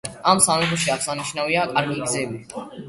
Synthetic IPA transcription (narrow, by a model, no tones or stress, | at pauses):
amsamɛt̪ʰɔʃiaχsaniʃnaviakʼaɾɡiɡzɛbi